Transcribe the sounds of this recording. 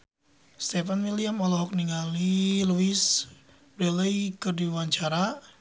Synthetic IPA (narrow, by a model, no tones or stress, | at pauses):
st̪ɛfanmiliamɔlɔɦɔk̚niŋaliluis | bɾɛləjkərdiwaɲt͡ʃaɾa